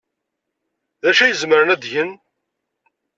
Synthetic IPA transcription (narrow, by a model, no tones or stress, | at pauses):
ðæʃæjəzməɾənæd̪ʝən